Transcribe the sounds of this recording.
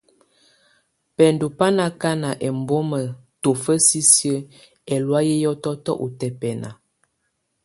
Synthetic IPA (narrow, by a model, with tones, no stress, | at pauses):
pɛ˨ndu˨pa˦na˨ka˦na˨ʔɛ˨mbo˦mə˨to˨fə˦si˦sjə˦ | ɛ˨lwa˦jɛ˦jɔ˦tɔ˦tɔ˦ʔu˨tɛ˨pɛ˨na̰˨